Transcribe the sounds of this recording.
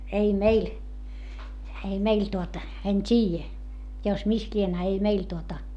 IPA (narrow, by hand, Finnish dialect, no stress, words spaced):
ei meil ei meil tuotɑ en tʲiːjæ jo mis lien ɑ ei meil tuotɑ